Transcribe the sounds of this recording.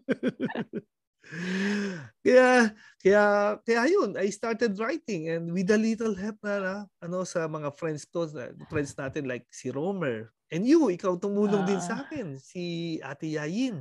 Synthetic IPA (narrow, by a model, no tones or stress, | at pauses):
kɐja | kɐjakɐjajonajst̪aɹt̪ɛd̪ɹajt̪ɪ̃ŋɛ̃nd̪wɪd̪ɐlit̪ɛlɦɛp̚nɐaʔɐno̞sɐmɐŋafɾɛ̃nd̪st̪oɐ̰fɾɛ̃nd̪snaːt̪ɪnlajk̚siɾomɛɹʔɛ̃njuɪkawt̪ʊmuːloŋd̪ɪnsɐʔaːkɛnsiʔa̰t̪ɪjaːjɪn